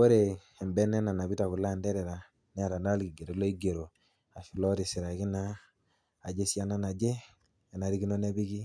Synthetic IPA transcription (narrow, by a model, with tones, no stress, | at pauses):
o˦ɾe˨ | ɛ˨mbɛ˦nɛ˦na˨na˨bi˦ta˨ku˨la˦˨ndɛ˦ɾɛ˨ɾa˨ | nɛ˦a˨ɾa˨na˦lki˨ɡe˨ɾo˨˦lo˦i˦ɡe˨ɾo˨ | a˨fi˨lɔ˦ɾi˨si˨ɾa˨ki˦na˦ | a˨d͡ʒe˦si˦a˦na˦na˨d͡ʒe˦ | ɛ˨na˨ɾi˦ki˦no˦nɛ˦bi˦ki˦